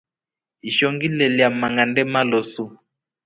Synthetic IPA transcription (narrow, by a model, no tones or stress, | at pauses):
iʃɔŋɡilɛliamaŋandɛmalɔsu